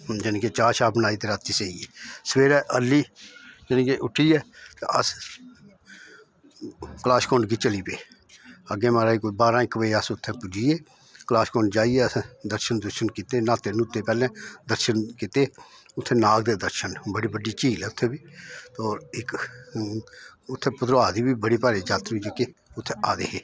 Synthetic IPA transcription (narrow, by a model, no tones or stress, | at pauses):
d͡ʒəniːket͡ʃaːʃaːbənaːit̪eːɾaːt̪iseːieːsʋeːɾɛːʔəliːd͡ʒənĩkeʔʊʈʰiːɛːt̪eəs | klaːskõːɳɖɡiːt͡ʃəliːpeː | əɡẽːmaːɾaːikobaːɾãɪkəʋeəsʊt̪ʰːẽːpʊd͡ʒiːeː | klaːskoːɳɖd͡ʒaːiɛːəsd̪əɾʃənd̪əɾʃənkiːt̪eːnaːt̪eːnut̪ːeːpɛːlɛ̃ːd̪əɾʃənkit̪eː | ʊt̪ʰːẽːnaːk̚d̪eːd̪əɾʃənbəɽiːbəɖiːt͡ʃiːlɛːʊt̪ʰːeːbiːt̪ɔːɾɪk | ʊt̪ʰːeːpʊt̪ɾaːd̪iːbiːbəɽiːpaːɾeːd͡ʒaːt̪ɾiːd͡ʒeːkeːʊt̪ʰːeaːd̪ḛːɦeː